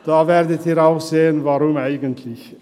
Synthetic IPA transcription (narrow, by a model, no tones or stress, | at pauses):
d̥aːvɛːʁdətiːɾaʊxz̥eːənvaʁʊmaɪɡəntʰlɪç